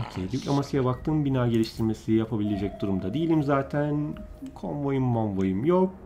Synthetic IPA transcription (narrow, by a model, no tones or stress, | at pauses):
ocʰejlʲicʲlʲamasɯjabak̚t̪ʰɯmbinaːɟe̞lʲiʃt̪ʰiɾme̞sijapʰabilʲe̞d͡ʒɛc̚d̪uɾumd̪ad̪eilʲimzaːt̪ʰæn | kʰo̰nvo̞jɯmːonvojɯmjok̚